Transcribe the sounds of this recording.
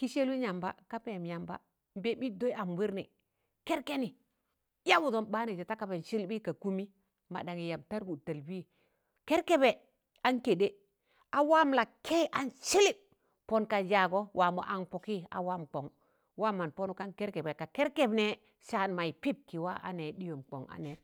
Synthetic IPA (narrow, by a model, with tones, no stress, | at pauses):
ki˦ʃe˦lu˦ɲa˨mba̰˦ka˦pe˨mja˨mba̰˦ | m˦be˦bi˦do˦ja˨mwi˦ɾni˨ | ke˦ɾke˦ni˨ | ja˦bu˨do˨nɓa˦ne˨d͡ʒe˨ta˦ka˨be˨nʃi˦lbi˦ka˨ku˦mi˦ | ma̰˨ɗa˨ŋi˨ja˨b̚ta˦ɾɡu˨ta˨lbi˦ | ke˦ɾke˦be˨ | a˦nke˨de˦ | a˨wa˦mla˨kʰe˦ʔa˨nʃi˦li˦ | po˦nka˨d͡ʒa˨ɡo˦wʔa˨mo̰˨ʔa˨npo˨ki˦a̰˨wa˦mk͡po˨ŋ | wa˦ma˨npo˦nu˨ka˦nke˦ɾke˨be˨ka˨ke˦ɾke˨bne˨ | ʃa˨nma˨i˨pi˦˨b̚ki˨wa˦ʔa̰˨ne˨ɗi˦jo˨mk͡po̰˨ŋa̰˨ne˨